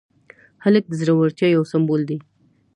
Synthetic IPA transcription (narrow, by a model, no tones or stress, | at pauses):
halək̚d̪əzɾawaɾt̪jɑjawsambold̪e